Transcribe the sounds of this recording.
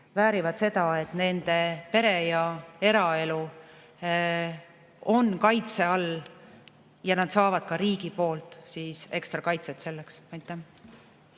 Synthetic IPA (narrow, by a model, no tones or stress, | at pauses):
væːɾivɑt̪se̞d̪̥ɑe̞t̪ne̞nd̪e̞pe̞ɾe̞jɑe̞ɾɑe̞lu | o̞nːkɑjt̪se̞ɑl | jɑnɑd̪̥sɑːvɑd̪̥̚kɑɾiːɡ̥ipo̞ːlt̪ˑsiːse̞kst̪ɾɑkɑjt̪set̪se̞lːeksɑjt̪ːˑæ